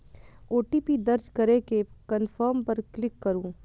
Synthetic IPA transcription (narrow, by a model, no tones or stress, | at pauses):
oːʈiːpid̪ɐɾd͡ʒkɐɾekekənfʰəɾmpɐɾklɪkːɐɾũː